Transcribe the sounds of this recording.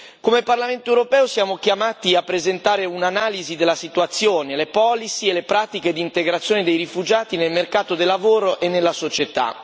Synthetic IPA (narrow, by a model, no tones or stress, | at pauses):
komeparlament̪oewɾopɛːosjaːmok̟jamaːt̪iapːɾezent̪aːɾeunanaːlizid̪elːasit̪wat̪sːjoːnelepɔːlisielepɾaːt̪iked̪iːnt̪eɡɾat̪sːjoːned̪ejɾifud͡ʒaːt̪inelmerkaːt̪od̪elːavoːɾoʔenːelːasot͡ʃet̪a̰